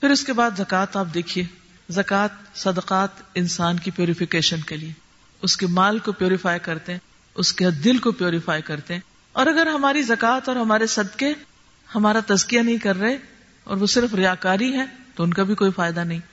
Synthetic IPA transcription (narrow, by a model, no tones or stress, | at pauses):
fɪɾʊskebaːd̪zɐkaːt̪aːp̚d̪eːkʰieː | zɐkaːt̪̚sɐd̪əqaːt̪ɪ̃nsaːnkipjuːɾɪfɪkeːʃənkelie | ʊskemaːlkopjuːɾɪfaːjkɐɾt̪eɦɛ̃ | ʊsked̪ɪlkopjuːɾɪfaːjkɐɾt̪eɦɛ̃ː | ɔːɾɐɡəɾɦɐmaːɾizɐkaːt̪ɔːɾɦɐmaːɾesɐd̪ke | hɐmaːɾat̪ɐzkijanɐɦĩkɐɾːɐɦe | ɔ̰ːɾʋosɪɾfɾɪjaːkaːɾiɦɛ̃t̪oʊnkabʱikoːifaːjɪd̪anɐɦĩ